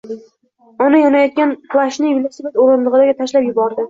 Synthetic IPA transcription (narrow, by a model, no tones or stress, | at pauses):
ɒnajɒnajɒt̪̚ɡʲanpʰlˠaʃnɪvilʲˠasebat̪oɾɪnd̪ɨʁɨd̪aɡʲat̪ʰaʃlapjʊbɒɾd̪ɪ